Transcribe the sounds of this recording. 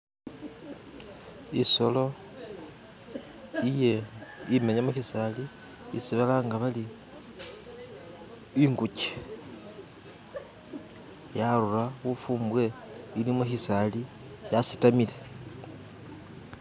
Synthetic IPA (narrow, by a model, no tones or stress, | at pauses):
iso̞lo̞ | ije̞imeɲamuçisali | ḭsiβalaːŋɡaβali | iŋɡuce̥ | jaluraɣufuːmbwe̞ | ilimuçisali | jasi̥tamile̞